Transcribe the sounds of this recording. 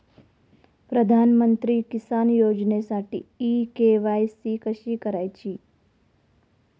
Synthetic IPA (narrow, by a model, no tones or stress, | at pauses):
pɾəd̪ʱaːnmənt̪ɾikɪsaːnjoːd͡ʒnesaʈʰḭikeʋajsikəʃikəɾajt͡ʃʰi